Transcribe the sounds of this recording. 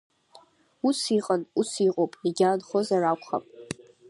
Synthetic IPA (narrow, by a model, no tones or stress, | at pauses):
usiqʼanusiqʼowpʼiɡʲaːnχozarakʷʰʼχa̰pʼ